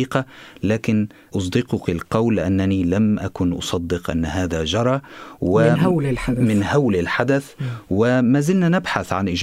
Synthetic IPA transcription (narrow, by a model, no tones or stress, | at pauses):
iːqɑlaːkɪn | ʔʊs̬ˤd̪ɪqʊkɪlqɑwlʔanːaniːlamʔakʊnʔʊ̰sˤɑd̪ːɪqʔa̰nːɦaːðad͡ʒɑɾˤɑːwɪallħamɪnhawlɪlħad̪aθwɪmaːzɪlnanɪbħaθʕanʔɪd͡ʒ